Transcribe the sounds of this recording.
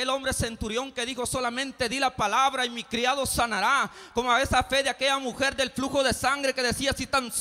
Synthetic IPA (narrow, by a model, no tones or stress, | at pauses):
elo̞mbɾese̞nt̪uɾjo̞ŋke̞ðixo̞so̞lamẽ̞nt̪e̞ðilapalaβɾaimikɾiaðo̞sanaɾa | ko̞moae̞safe̞ðeake̞ʝamuxe̞ɾd̪e̞lfluxo̞ðe̞saŋɡɾeke̞ðe̞siasit̪ans